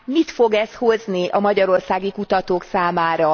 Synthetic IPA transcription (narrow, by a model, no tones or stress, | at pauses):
mit̪fo̞ɡɛsho̞zniʔɒmɒɟɒɾo̞rsaːɡikut̪ɒt̪oːksaːmaːɾɒ